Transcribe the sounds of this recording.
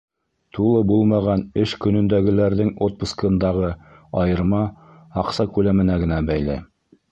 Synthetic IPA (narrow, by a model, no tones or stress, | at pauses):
t̪ulˠɤbulˠmɑʁɑnɘʃkɵ̆nɵ̆nd̪æɡɘ̆læɾðɘŋot̪̚pŭskɤ̆nd̪ɑʁɤ | ɑjɤ̆ɾmɑ | ɑqsɑkʉlæmɘ̆næɡɘ̆næbæjlæ̰